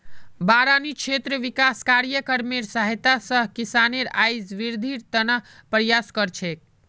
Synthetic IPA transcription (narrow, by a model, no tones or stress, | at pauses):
baɾanit͡ʃʰet̪ɾəʋikaskaɾjəkəɾmeɾsəɦit̪asəɦkisaneɾajd͡ʒʋiɾd̪ʱiɾt̪ənəpɾjaskəɾt͡ʃʰek̚